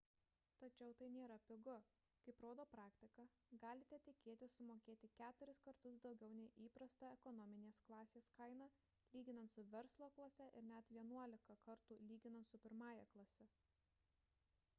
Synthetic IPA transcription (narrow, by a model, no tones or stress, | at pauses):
t̪ɐt͡ʃʲɛʊt̪ɐɪnʲeːɾɐpʲɪɡʊ | kɐɪpɾoːd̪oːpɾɑːkt̪ʲɪkɑ | ɡɑːlʲɪt̪ʲɛt̪ʲɪkʲeːt̪ʲɪsʊmoːkʲeːt̪ʲɪkʲæːt̪ʊɾʲɪskɐɾt̪ʊsd̪ɒʊɡʲɛʊnʲɛɪʔiːpɾɐst̪ɐɛkɔnɔmʲɪnʲeːsklˠɑːsʲeːskɐɪnɐ | lʲiːɡʲɪnɐnt̪sʊʋʲɛɾslˠoːklˠɐsʲɛʔɪɾnʲɛt̪ʋʲiɛnuɔlʲɪkɐkɐɾt̪uːlʲiːɡʲɪnɐnt̪sʊpʲɪɾmɑːjɛklˠɐsʲɛ